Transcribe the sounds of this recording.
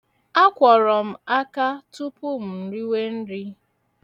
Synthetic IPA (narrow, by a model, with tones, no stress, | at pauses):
a˦kʷɔ˨ɾɔ˨m̩˨a˦ka˦tʊ˦pʊ˦m̩˨n̩˨ɾi˦we˦n̩˦ɾi˦